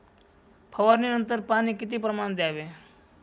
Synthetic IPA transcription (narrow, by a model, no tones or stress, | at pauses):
pʰəʋəɾninə̃nt̪əɾpaːnikɪt̪̬ipɾəmaːnd̪jaːʋeː